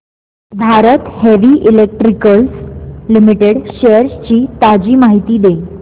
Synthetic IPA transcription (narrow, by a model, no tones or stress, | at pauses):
bʱaɾət̪heʋiʔilek̚ʈɾikəlslimiʈeɽɕeəɾst͡ɕiːt̪ad͡ʑiːmaɦit̪iːd̪e